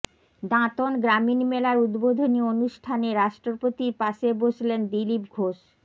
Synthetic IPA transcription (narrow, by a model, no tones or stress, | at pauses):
d̪ãt̪onɡɾaminmelaɾud̪bod̪ʱonionuʃʈʰaneɾaʃʈɾopot̪iɾpaʃeboʃlend̪ilipɡʱoʃ